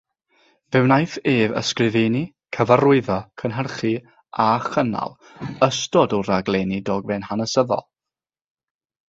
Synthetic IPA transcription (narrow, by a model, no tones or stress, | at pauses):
vɨwnajθeːvə̰skrɪvejni | kʰəvarʊɨðɔkʰənɦərχi | aχəna̰lˠ | əstɔdɔɾaɡlˠɛːnidɔːɡvɛnhanəsəðɔ̰lˠ